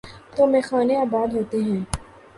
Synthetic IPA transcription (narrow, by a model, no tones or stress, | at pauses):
t̪oːmẽːxaːneaːbaːd̪ɦoːt̪eɦɛ̃ː